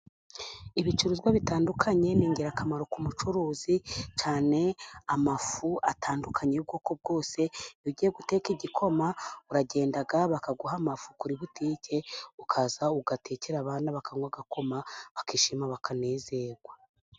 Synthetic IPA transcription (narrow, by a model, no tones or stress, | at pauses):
iβit͡ʃuɾuzɡwaβitaːndukʰaɲe̞niːɲɟiɾakamaɾo̞kumut͡ʃuɾuːzit͡ʃaːne̞amafuʔatʰaːndukʰaɲeb̚ɡo̞ːko̞b̚ɡo̞ːse̞joɟijeɡute̞ːkiɟikʰo̞mauɾaɟe̞ːndaɡaβakaɡuhamafukuɾiβutiːce̞ukʰazauɡatʰe̞ceɾaβaːnaβakaŋɡwaɡako̞maβakiʃimaβakʰane̞ːze̞ɾɡ̥wa